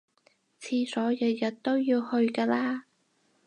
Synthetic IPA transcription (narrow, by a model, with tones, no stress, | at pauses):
t͡sʰiː˧sɔː˨˥jɐ˨˧˩jɐ˨t̚t̪o˥wjiː˧whɵ˧ɥkaː˧laː˥